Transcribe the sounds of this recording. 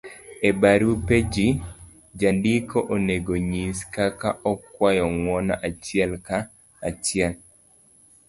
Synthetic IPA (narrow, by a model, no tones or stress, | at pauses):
ebaɾuped͡ʒi | d͡ʒandikoʔoneɡoɲiskakaʔɔkwajɔŋwɔnaʔat͡ʃɪɛlkaː | t͡ʃɪɛl